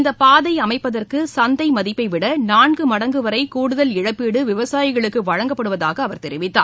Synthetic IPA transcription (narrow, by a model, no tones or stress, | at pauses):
nd̪ɐpaːðɐɪɐmɐɪpːɐðɐrkɯsɐnd̪ɐɪmɐðɪpːɐɪʋɪɽɐnaːɳɡɯmɐɽɐŋɡɯʋɐɾɐɪkuːɽɯðɐlɪɻɐpːiːɽɯʋɪʋɐsaːjɪɣɐɭɯkːɯʋɐɻɐŋɡɐpːɐɽɯʋɐðaːɣɐːʋɐɾt̪ɛɾɪʋɪt̪ːa̰ː